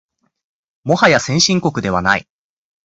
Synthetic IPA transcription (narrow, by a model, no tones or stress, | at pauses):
mo̞hajasẽ̞ɰ̃ɕĩŋko̞kɯ̟d̪e̞βanaḭ